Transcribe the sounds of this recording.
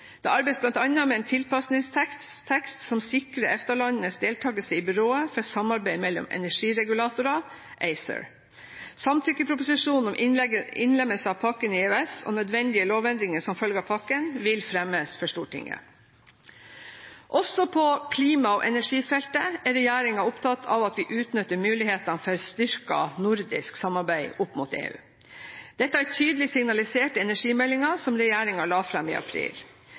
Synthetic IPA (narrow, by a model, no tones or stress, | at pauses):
d̪̥ɛ̰ʔɑɾbɛɪsblɑnt̪ɑnːɑmɛeːnt̪ʰɪlpɑsnɪŋst̪ʰɛt̪ʰɛkst̪sɔmsɪkɾəɛft̪əɭɑnənəsd̪eːlt̪ʰɑːɡəsəɪbʉɾoːəfɔsɑmɑɾbæɪmɛlːɔ̰mɛ̰næʂiːɾɛɡʉlɑːt̪ʊɾɑ | ʔeɪsə̰ɹ | sɑmt̪ʰʏkəpʰɾʊpʊsɪʂuːnn̩ɔmʔɛɪ̰nlɛmːəlsəɑːʋpʰɑkːənɪʉɛso̰ːnœd̪ʋɛnd̪ɪəloːʋɛnd̪ɾɪŋəʂɔmfœlɡəɑpʰɑkːənʋɪlfɾɛmːəsfɔʂʈuːʈʰɪ̰ŋːə̰ | ʔɔsɔpʰɔkʰliːmɑo̰ːʔɛnæʂiːfɛlt̪əæɾɛjæːɾɪŋɑʊpt̪ʰɑt̪ʰːɑ̰ʋɑt̪ʋɪːʔʉːt̪nʏt̪ːəɾmʉːlɪheːt̪ɑnfœɾst̪ʏɾkɑ̰nʊɾd̪ɪ̰sksɑmːɑɾbæɪʔʊpːmut̪ḛːʉ̰ː | d̪̥ɛt̪ːəæʈ̪ʰyːd̪əlɪsɪŋnɑlɪseːʈəɛnæʂiːmɛlːɪŋɑsɔmɾɛjæːɾɪŋɑɭɑːfɾɑmḭːʔɑ̰pʰɾḭːl